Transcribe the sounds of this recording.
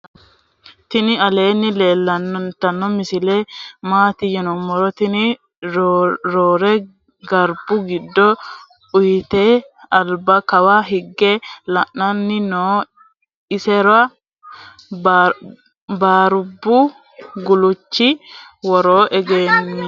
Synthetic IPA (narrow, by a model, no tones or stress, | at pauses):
t̪ɪnɪɐleːnːɪle̞ːlːɐnːɔnt̪ɐnːɔmɪsɪleːmaːt̪ɪjɛnɔmːɔɾɔt̪ɪnɪ | ɾoːɾɛ | ɡɐɾbʊɡɪd̪ːɔ | ʊjt̪eː | ɐlbɐkɐwaɦɪɡːɛlɐʔːɐnːɪnoː | ɪsɛɾɐ | baːɾʊbːʊ | ɡʊlʊt͡ʃːɪwɔɾoːʔɛɡeːnːɪ